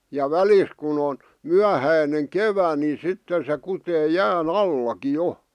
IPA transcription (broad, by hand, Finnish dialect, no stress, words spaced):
jɑ ʋælis kun on myæhæineŋ keʋæ ni sitːen se kuteː jæːn ɑlːɑki jo